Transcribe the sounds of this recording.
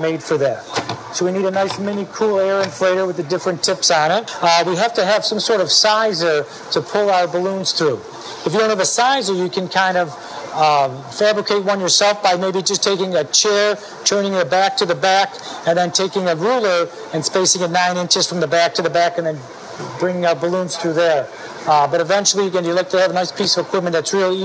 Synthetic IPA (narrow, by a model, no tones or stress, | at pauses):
meɪd̥fə˞ðæt̚soʊwiniɾɨnaɪsmɛnikʰulˠɛɹɨ̃nfleɪɾə˞wɨðɨdɪfɹɨ̃ntʰɪpsn̩ɪt̚wiɦæftɨːv̥sʌ̃msɔɹɾʌv̥saɪzə˞ | ɾɨpʰʊlˠaʊə˞bəlũnz̥θɹu | ɨfjɨdõʊ̃nthɨvɨsaɪzə˞jɨkʰɨ̃nkʰãɪ̃ndʌv̥ | fæbɹɨkʰeɪt̚wʌ̃njə˞sɛlˠfb̥aɪmeɪbid͡ʒʌstʰeɪkɪ̃ŋɨt͡ʃʰɛɹ | tʰɜ̃˞nɪ̃ŋðɨbæk̚tʰɨðɨbæk | ɨ̃nðɨ̃ntʰeɪkɪ̃ŋɨɹulˠə˞ | ɨ̃nspeɪsɪ̃ŋɨnãɪ̃ñɪ̃nt͡ʃɨz̥fɹʌ̃mðəbæk̚tʰɨðɨbækɨ̃nðɨ̃n | bɹɪ̃ŋɪ̃ŋaʊə˞bəlũnz̥θɹʉðə˞ | bʌɾɨvɛ̃nt͡ʃl̩ˠijɨɡɨ̃nɨlɛɪk̚tʰɨɨvənaɪspʰisʌvəkʰw̥ɪp̚mɨ̃nðɨtsɹɪlˠi